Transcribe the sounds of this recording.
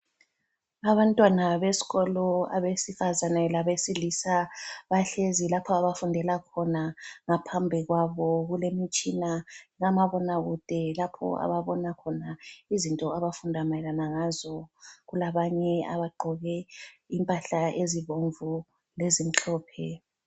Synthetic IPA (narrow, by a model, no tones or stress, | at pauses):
aβantʼwanaβesi̥ɣɔlɔa̰βesifazanɛlaβesilisaβaɬezilapʰɔaβafundʱɛlakʰɔnaŋapʰambʱiɣwaβɔɣulemit͡ʃʼinaɣamaβɔnaɣud̥ʱɛlapʰɔ̰a̰βaβɔnakʰɔnaizintʼɔaβafundʱamalanaŋazɔɣulaβaɲɛa̰βaɡ͡ǃʱɔɣɛimpʼaɬaʔeziβoɱvu | lezim̩t͡ɬʰɔːpʰɛ